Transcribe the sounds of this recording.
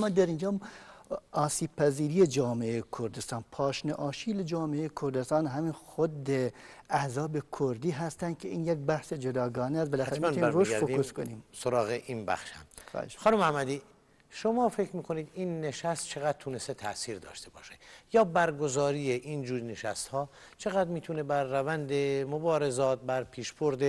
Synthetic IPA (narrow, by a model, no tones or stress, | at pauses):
mːɒːd̪æɾind͡ʒɒːm | ɒːsiːb̚pʰæziːɾiːjed͡ʒɒːmeejekʰoɾd̪est̪ɑːnpʰɒːʃneʔɒːʃiːled͡ʒɒːmeejekʰoɾd̪est̪ɑːnɦæmiːnxod̪ːeæhzɒːbekʰoɾd̪iːɦæst̪ænd̪̚kʰeʔiːnjek̚bæhsed͡ʒod̪ɒːɡɒːneæst̪belæxææɾemænɾoʃt̪fokuskoniːmsoɾɒːɣeʔiːnbæ̰χʃhæ̰m̰ːʃxɒːnumæhmːæd̪i | ʃomɒːfe̞kʰɾmiːkʰoniːd̪iːnːeʃæst̪̚t͡ʃʰe̞ɣæd̪̚t̪ʰunest̪et̪ʰæ̰ʔsiːɾd̪ɒ̰ːʃt̪e̞bɒ̰ːʃejɒːbæɾɡozɒːɾijeʔind͡ʒuːɾneʃæst̪hɒː | t͡ʃʰe̞ɣæd̪ɾmiːt̪ʰunebæɾːævænd̪emobɒːɾezɒːt̪̚bæɾpʰiːʃboɾd̪e